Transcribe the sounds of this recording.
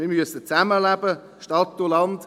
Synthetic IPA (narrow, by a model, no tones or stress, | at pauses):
mɪɾmyəsət͡sæməlæb̥ə | ʃtɑt̪ːulɑnd